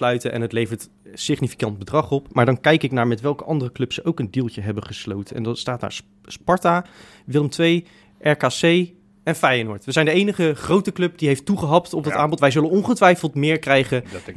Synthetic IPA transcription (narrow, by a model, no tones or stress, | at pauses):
slœɥtənʔɛ̰nətlejvəɹt | sɪχnifi̥kɑnd̚bədrɑχɔpmaːɹdɑnkɛjkɪknaːɹmɛtʋɛlˠkəʔɑndərəklɵpsəʔowkəndilˠtəɦɛbəχəslo̰wtənɛ̰ndɑnstaːtda̰ːɹ | spɑɹta | ʋɪlˠəmtʋej | ʔɛɹkaːsej | ɛnfajanʊːɹtʋəzɛjndəejnəχəχrowtəklɵp̚diɦejftːuχəɦɑptɔb̚dɑtaːmbɔtʋɛjzɵlənɔnχətʋɛjfəlˠtmɪːɹkrɛjχə